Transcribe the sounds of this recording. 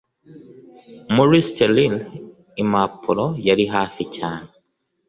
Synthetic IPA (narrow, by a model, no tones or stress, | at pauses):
muɾistelil | imapʰolojaɾiɦaːficaːne